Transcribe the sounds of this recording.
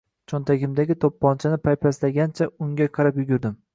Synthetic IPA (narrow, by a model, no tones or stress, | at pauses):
t͡ʃʰɒnt̪ʰaɡʲɪmd̪aɡʲɪt̪ʰopːɒnt͡ʃʰanɪpʰajpʰaslaɡʲant͡ʃʰaʊŋɡʲaqʰɑɾapjʊɡʲʊɾd̪ɪm